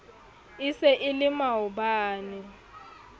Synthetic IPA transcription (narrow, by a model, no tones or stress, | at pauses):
ɪsɛʔɪlɪmaʊbaːnɪ